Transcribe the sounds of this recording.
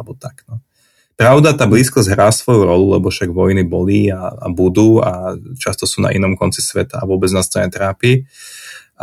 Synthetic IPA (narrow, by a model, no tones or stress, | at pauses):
lbɔt̪aknɔ | pɾaʊd̪at̪aːbliːskɔzʲɦɾaːsʋɔjuɾɔlulɛbɔfʃaɡʋɔjnibɔliːa̰ːbud̪uːat͡ʃast̪ɔsuːna̰ʔinɔmkɔnt͡si̥sʋɛt̪aaʋʊɔbɛd͡znast̪ɾaɲɛt̪ɾaːpiː